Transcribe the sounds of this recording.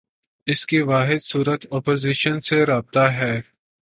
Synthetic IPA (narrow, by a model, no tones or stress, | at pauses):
ɪskeʋaːɦɪd̪suːɾət̪ɔːpoːziːʃənseɾaːb̚t̪aɦɛː